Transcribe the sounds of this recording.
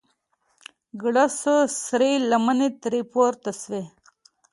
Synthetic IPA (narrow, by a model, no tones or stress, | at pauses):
ɡɽasəsɾelamanet̪ɾipoɾt̪aswe